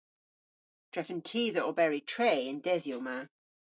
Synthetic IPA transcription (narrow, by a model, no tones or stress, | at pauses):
d̥ɹɛfə̃ntʰiːðəʔɔbɛɹitʰɹeːɪ̃ndɛðjuma